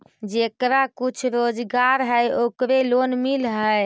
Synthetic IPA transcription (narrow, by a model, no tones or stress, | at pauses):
d͡ʒekɾakut͡ʃʰɾod͡ʒɡaɾɦəjokɾelonmilɦəj